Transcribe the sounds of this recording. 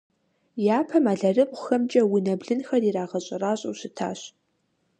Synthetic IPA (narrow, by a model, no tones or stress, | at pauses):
jaːpʰɐmaːɮɐrɨpʼxɐmt͡ʃʼɐwʊnɐbɮɨnxɐriraːʁɐɕʼɪraːɕʼɐwɕɪtʰa̰ːɕ